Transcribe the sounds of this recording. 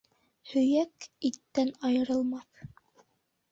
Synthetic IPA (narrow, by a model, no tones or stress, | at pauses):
hɵ̆jækit̪ːænɑjɤ̆ɾɤ̆lˠmɑθ